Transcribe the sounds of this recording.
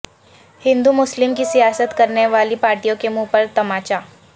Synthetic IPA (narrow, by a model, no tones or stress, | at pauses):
hind̪umʊslimkiːsijasət̪kəɾneʋaliːpaɾʈijõkemupəɾt̪əmat͡ɕa